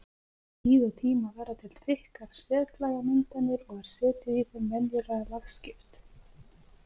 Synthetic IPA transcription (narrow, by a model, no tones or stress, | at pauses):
iːðʏt̪ʰiːmavɛːɾðat̪ʰɪl̥θɪhkaɾ̥sɛːt̪laːɣamʏnt̪anːɪɾɔɣɛɾ̥sɛːt̪ɪðiθɛmːɛnjɪɾaɣalaxscɪft̪